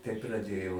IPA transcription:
tɐɪ prɐˈdʲeːjɛʊ

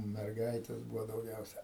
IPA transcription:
mʲɛrˈɡɐɪtʲɛs ˈbuːʋoː dɐʊˈɡʲɛʊsʲɛ

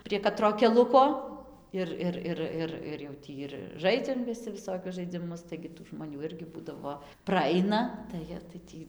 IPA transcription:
pʲrʲiɛ kɐˈtroː kʲɛˈlˠʊkoː ˈɪr ˈɪr ˈɪr ˈɪr ɪr jɛʊ ˈtʲiː ɪr ˈʒɐɪd͡zʲɛm ʋʲɪˈsʲɪ ʋʲɪˈsoːkʲʊs ʒɐɪd͡zʲɪˈmʊs tɐɪɡʲɪ tuː ʒmoːˈnʲuː ˈɪrʲɡʲɪ ˈbuːdɐʋoː prɐˈɐɪnɐ tɐɪ ˈjiɛ tɐɪ ˈtʲiː

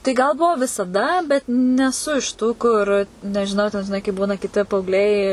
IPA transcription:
tɐɪ ɡɐlˠ ˈbʊʋoː ʋʲɪsɐˈdɐ bʲɛt nʲɛˈsʊ ɪʃ tuː ˈkʊr nʲɛʒʲɪˈnɐʊ tʲɛn ʒʲɪˈnɐɪ kɐɪp ˈbuːnɐ kʲɪˈtʲɪ pɐɐʊɡˈlʲɛɪ

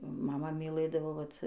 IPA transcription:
mɐˈmɐ mʲɪˈlˠɘdɐʋoː ˈʋɐt

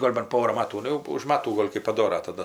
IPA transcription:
ˈɡoːlʲ bɐn ˈpoːrɐ ˈmɑːtuː ˈnʊ jɛʊ ʊʃ ˈmɑːtuː ˈɡoːlʲ kɜp pɐˈdoːrɐ tɐˈdɐ

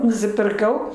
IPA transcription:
nʊsʲɪpʲɪrˈkɐʊ

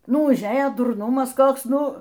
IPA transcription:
ˈnʊ ʊʒʲˈeːjɛ dʊrˈnʊmɐs ˈkoːks ˈnʊ

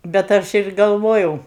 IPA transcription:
bʲɛt ˈɐʃ ɪr ɡɐlˠˈʋoːjɛʊ

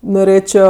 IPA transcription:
noːˈrʲeːt͡ʃʲoː

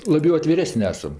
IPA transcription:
lˠɐˈbʲɛʊ ɐtʲʋʲɪˈrʲæːsənʲ ˈæːsɐm

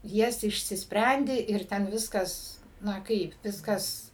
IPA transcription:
ˈjɛs ɪʃʲsʲɪsʲˈpʲrʲɛnʲdʲɪ ɪr ˈtʲɛn ˈʋʲɪskɐs ˈnɐ ˈkɐɪp ˈʋʲɪskɐs

